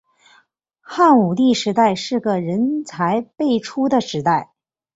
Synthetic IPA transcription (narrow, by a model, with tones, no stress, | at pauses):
xa˥˩nu˨˩t̪i˥˩ʂɻ̩˧˥t̪a˥˧ɪʂɻ̩˥˩ɡə˩ɻə˧˥nt͡sʰa˧˥ɪpe˥˩ɪʈ͡ʂʰu˥d̪ə˨ʂɻ̩˧˥t̪a˥˩ɪ